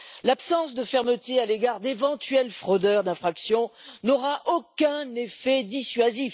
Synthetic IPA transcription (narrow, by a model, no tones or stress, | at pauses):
lapsɑ̃sd̪əfɛʁmət̪ealeɡaʁd̪evɑ̃t̪ɥɛlfχɔd̪œʁd̪ɛ̃fχaksjɔ̃nɔʁaʔokɛ̃nefɛd̪isɥazif